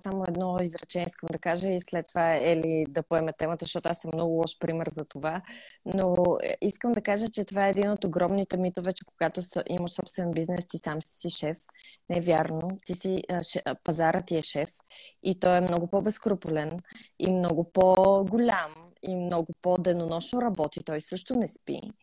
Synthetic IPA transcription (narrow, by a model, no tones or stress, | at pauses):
samoɛd̪nɔizɾɐt͡ʃɛniskəmd̪ɐkaʒəislɛt̪ːovaɛlid̪ɐpoɛmɛt̪ɛmət̪əʃt̪ɔt̪oasəmnɔɡʊlˠɔʃpɾimɛɾzɐt̪ovano̰iskəmd̪ɐkaʒət͡ʃɛt̪ovaɛːd̪inot̪oɡɾɔmnit̪ɛmit̪ovɛt͡ʃɛkoɡat̪osʔiməʃsɔpst̪vɛnbiznɛst̪isamsi̥siʃɛfnɛɛvʲjaɾnot̪isiʃɛpɐzaɾət̪iɛʃɛfit̪ɔɛmnɔɡʊpɔbɛskɾopulɛnḭmnɔɡʊpoɡʊlʲam | imnɔɡʊpod̪ɛnonɔʃnoɾɐbɔt̪it̪ɔjsɤʃt̪onɛspḭ